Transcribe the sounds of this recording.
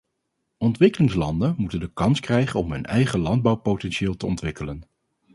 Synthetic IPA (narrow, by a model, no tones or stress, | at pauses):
ɔntʋɪkəlɪŋslɑ̰ndənmutəndəkɑnskrɛjχənɔmɦɵnɛjχəlɑnd̚bɑwpowtɛnʃɪːlˠtəɔntʋɪkələn